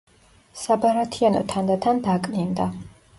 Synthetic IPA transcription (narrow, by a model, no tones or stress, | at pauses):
sabaɾat̪ʰianɔ̰t̪ʰand̪at̪ʰand̪akʼnind̪a